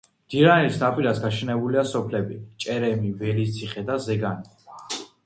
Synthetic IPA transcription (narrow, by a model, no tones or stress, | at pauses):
md̪̥iɾanisnapʼilasɡaʃɛnɛbuliasɔpʰlɛbit͡ʃʼɛɾɛmivɛlit̪sʰiχɛd̪azɛɡani